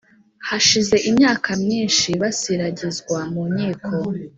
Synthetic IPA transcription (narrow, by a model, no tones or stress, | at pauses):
haʃize̞ʔimɲaːkamɲiːnʃiβasiɾaɟizɡwamumɲiːkʰo̞